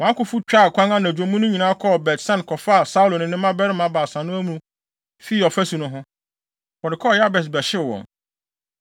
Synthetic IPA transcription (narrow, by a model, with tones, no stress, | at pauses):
wɔ̃˨ã˦kʊ˦fu˦t͡ɕᶣa˦˨kʷʰã˦ŋã˦nã˨d͡ʑᶣõ˨mũ˦nʊ̃˦ɲĩ˨nãː˦kʰɔ˦˨bɛ˨tsã˦nkʰɔ˨fa˦˨sa˦u˦lo˨nʊ̃˦nɪ̃˦mã˦bɛ˦ɾɪ˦mã˦baː˨sã˨nʊ̃˦æ˦m˦ũ˦ | fi˦ɔ˨fæ˦su˨nʊ̃˦ɦʊ̃˦ | wɔ˨dɪ˨kʰɔ˦˨ja˦bɛ˨s̬bɛ˨ɕɪ˦˨wɔ̰̃˨n